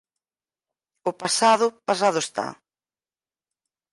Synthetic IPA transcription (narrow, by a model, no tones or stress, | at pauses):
ʊpasaðʊpasaðʊest̪a̰